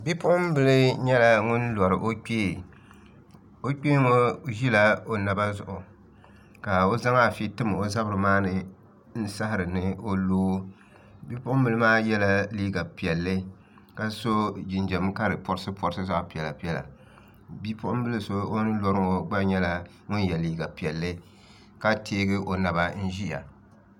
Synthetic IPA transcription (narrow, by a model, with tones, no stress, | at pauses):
bi˦pʊ˦ʔʊ˦m˦bɨ˦lɨ˦ɲɛ˦la˨ŋʊ˦nlɔ˨ɾɨ˨ʔo˦k͡peː˦˨ | o˦k͡pʲeː˦ŋo˦ʒi˦la˦o˨na˨ba˦zʊ˨ʔʊ˨ | ka˨o˦za˦ŋa˦˨fi˦tɨ˦m˨o˦za˦bɾɨ˨maː˦nɨ˨ | n̩˦sa˦hɪ˨ɾɨ˨nɨ˦o˦loː˦ | bi˦pʊ˦ʊ˦m̩˦bɨ˨lɨ˦maː˦jɛ˦la˦liː˦ɡa˨pi˨ɛ˨lːɨ˦ | ka˦so˦d͡ʒɪ˨nd͡ʒɛ˨m˦ka˦ɾɨ˨pɔ˨ɾɨ˦sɨ˦pɔ˨ɾsɨ˦za˦ʔʊ˨pi˨ɛ˨la˨pi˨˦ɛ˦˨la̰˨ | bi˦pʊ˦ʔʊ˦bɨ˦lɨ˦so˦o˦nɨ˦lɔ˦ɾɨ˦ŋo˨ɡ͡ba˦ɲɛ˦la˨ | ŋʊ˦n˦jɛ˨liː˦ɡa˨pɛ˨lːɨ˦ | ka˦tʰeː˦ɡɨ˦ʔo˨na˨ba˦n̩˦ʒi˦ja̰˨